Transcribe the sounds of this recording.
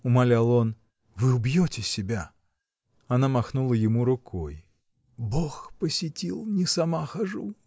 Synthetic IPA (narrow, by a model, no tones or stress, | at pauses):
ʊmalʲalˠon | vɨʊbjotʲɪsʲɪbʲa | ɐnamɐxnulˠəjɪmuɾʊkʰoj | boxpəsʲɪtʲilˠnʲɪsamaxaʐu